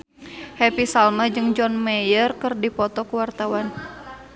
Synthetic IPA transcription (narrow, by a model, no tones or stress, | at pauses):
hɛpisalmad͡ʒɨŋd͡ʒɔnmɛjərkɨrdipɔt̪ɔkuwart̪awan